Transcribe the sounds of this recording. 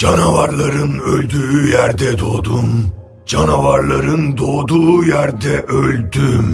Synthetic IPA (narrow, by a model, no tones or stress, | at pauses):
d͡ʒɑnɑvɑɾlˠɑɾɯŋøld̪yyjæɾd̪ɛd̪od̪um | d͡ʒɑnɑvɑɾlˠɑɾɯŋd̪od̪ujæɾd̪ɛʔøld̪ym